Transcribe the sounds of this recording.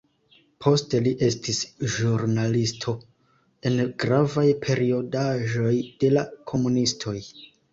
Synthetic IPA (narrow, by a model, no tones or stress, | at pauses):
pʰo̞ste̞liʔe̞stʰisʒuɾnalistʰo̞ | e̞nɡɾavajpʰe̞ɾio̞daʒo̞jd̥e̞lakʰo̞munistʰo̞j